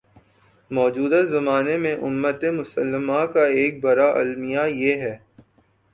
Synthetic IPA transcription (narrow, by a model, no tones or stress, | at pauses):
mɔːd͡ʒuːd̪azɐmaːnemẽʔʊmːət̪emʊsəlːəmakaeːk̚bɐɾaʔɐ̰lmijajeɦɛː